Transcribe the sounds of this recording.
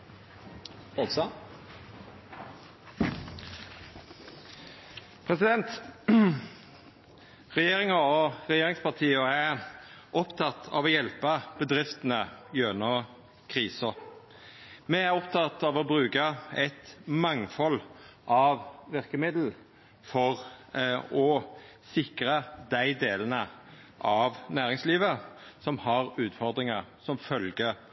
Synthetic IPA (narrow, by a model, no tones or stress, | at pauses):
os | pʰʁɛsɪd̪ɛnt̪ | ʁɛjeːʁɪŋəoʁɛjeːʁɪŋspʰɑʁt̪ʰiːəæʔɔpt̪ʰɑt̪ːʰɑ̰ʋɔjɛlpəb̥əd̪ʁɪft̪ənəjøːnɔ | kʰʁiːsɔ | mɛæɾɔpt̪ʰɑt̪ːɑʋɔbʁʉːkəɛt̪mɑŋfɔlʔɑʋʋɪʁkəmɪd̪l̩ | fɔʁ | ɔ | sɪkɾəd̪æɪd̪eːlənə | ʔɑʋnæːʁɪŋsliːʋəsɔmhɑʁʉːt̪fɔʁd̪ʁɪŋəsɔmfœlɡə